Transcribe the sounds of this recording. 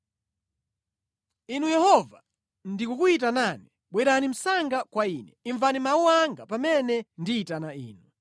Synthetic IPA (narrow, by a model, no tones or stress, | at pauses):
inujɛhɔva | ndikukuit̬anani | ɓwɛɾanim̩saŋɡakwainɛ̰iɱvanimauwaŋɡapamɛnɛndiːtanaiːnu